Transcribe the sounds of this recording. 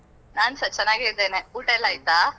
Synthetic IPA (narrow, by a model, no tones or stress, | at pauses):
naːnsɐt͡ʃɛnːaːɡiɾd̪eːneuːʈelaːjt̪aː